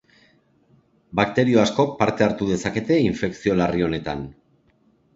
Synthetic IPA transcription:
bakt̪e̞ɾio̞asko̞k̚paɾt̪e̞aɾt̪uðe̞sake̞t̪e̞iɱfe̞ksio̞lario̞ne̞t̪a̰n

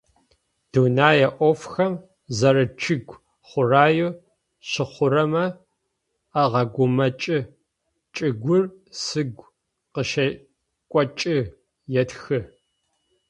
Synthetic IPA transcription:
d̥unaːjɐʔʷɔfxɐm | zɐrɐt͡ʃʰɨɡʷ | χʷʊraːju | ɕɪχʷʊɾɐmɐ | aʁɐɡʷʊmɐt͡ʃʼɪ | t͡ʃʼɨɡʷʊr | sɨɡʷ | qəʃɐ | kʷʼɔt͡ʃʼɨ | jɛtxɨ

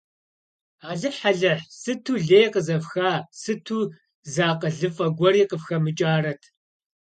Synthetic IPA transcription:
aːɮɨħaɮɐħsɨtʰuːɮeːjqəzɐfxaːsɨtʰuː | zaːqəɮɨfʼɐɡʷɔɾiːqəfxɐmɨt͡ʃʼaːrɐtʰ

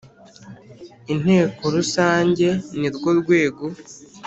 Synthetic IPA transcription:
in̥he̞ːkoɾusaːɲɟe̞niɾɡoɾɡwe̞ːɡo

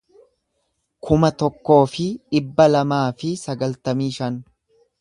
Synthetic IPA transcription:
kʰʊmɐt̪ɔkːo̞ːfɪᶑɪbːɐlɐmaːfɪsɐɡɐlt̪ɐmiːʃɐn

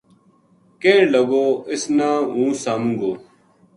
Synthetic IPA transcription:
kẽːləɡoːɪsnãːɦũːsaːmũŋɡoː

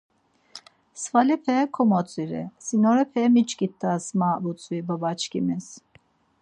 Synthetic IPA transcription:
svalipʰɛkʰɔmɔt͡s̪ʰʼiɾḭsinɔɾɛpʰɛmit͡ʃkit̪ʰːasmaːbut͡sʰʼvibabat͡ʃkʰḭmis

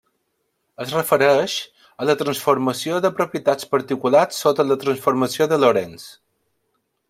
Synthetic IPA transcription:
əzrəfəɾɛʃ | ələt̪ɾənsfuɾməsioðəpɾopjət̪at͡spəɾt̪ikulasːot̪ələt̪ɾənsfuɾməsioðəloɾɛns

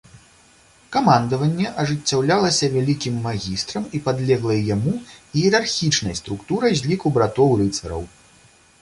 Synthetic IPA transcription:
kamand̪ɐvɐnʲːɛʔɐʐɨt͡sʲːawlʲalˠɐsʲɐvʲalʲikʲimːaɣʲist̪ɾɐmipad̪lʲɛɣlˠɐjjamuijɛɾarxʲit͡ʂnɐ̰jst̪ɾukt̪uɾɐjzʲlʲikubɾat̪ɔwrɨt̪sɐɾɐ̰w

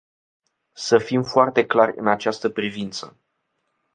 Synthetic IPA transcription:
səfimfoart̪e̞klaɾʲɨ̰nat͡ʃast̪əpɾivint̪sə̰

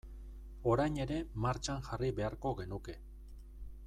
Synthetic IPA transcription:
o̞ɾajne̞ɾe̞maɾt͡ʃanʝariβe̞aɾko̞ɣe̞nuke̞

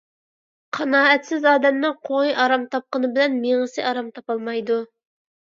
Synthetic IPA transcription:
qʰɑnɑːɛt̪sɪzɑːd̪ɛmnɨŋqʰoŋiʔɑɾɑmt̪ʰɑp̚qənɨbɪlɛnmeŋɨsɨʔɑɾɑmt̪ʰɑpɑlˠmɑjd̪u

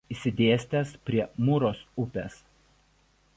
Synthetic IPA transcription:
isʲɪd̪ʲeːsʲt̪ʲɛspʲɾʲiɛmʊɾoːsʊpʲɛs

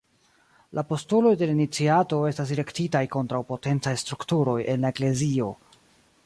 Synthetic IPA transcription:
lʔapo̞stulo̞jde̞linit͡siato̞e̞stas̬dile̞ktitajko̞ntɾawpo̞te̞nt͡sajstɾuktuɾo̞je̞nlaekle̞zio̞

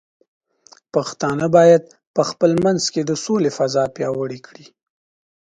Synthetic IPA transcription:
paxt̪ɑnəbɑjad̪̚ | pəxpəlmanzked̪əsolefazɑpjɑwəɽikɽi

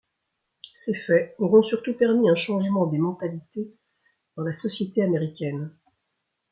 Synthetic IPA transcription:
sefɛɔʁɔ̃syʁt̪upɛʁmiɛ̃ʃɑ̃ʒmɑ̃d̪emɑ̃t̪alit̪e | d̪̥ɑ̃lasɔsjet̪eameʁikʲɛn

